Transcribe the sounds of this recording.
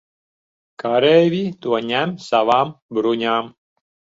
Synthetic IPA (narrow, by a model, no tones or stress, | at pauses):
kaɾɛːvʲit̪uɔɲʲæmsavaːmbɾuɲʲaːm